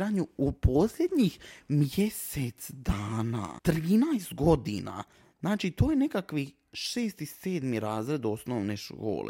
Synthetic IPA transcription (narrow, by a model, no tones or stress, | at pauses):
ɾaːɲuupo̞slʲed̪ɲixmjeset̪sd̪aːna̰ːt̪ɾiːnajst̪ɡo̞d̪ḭna̰ | znaːt͡ʃit̪oːjenekakʋi | ʃe̞ːst̪ise̞ːd̪miɾaːzɾe̞d̪o̞snoːʋne̞ʃko̰ːlḛ